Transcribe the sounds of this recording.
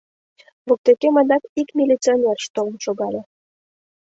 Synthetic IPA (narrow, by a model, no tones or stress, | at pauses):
βok̚t̪ekemɑnɑkikmʲilʲit͡sionʲerʃt̪olənʃoɣɑlʲe